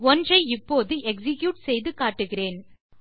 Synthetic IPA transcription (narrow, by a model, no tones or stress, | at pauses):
ɔndrɐɪɪpːoːðɯɛksɪkjuːʈsɛjðɯkaːʈːɯɣɪreːn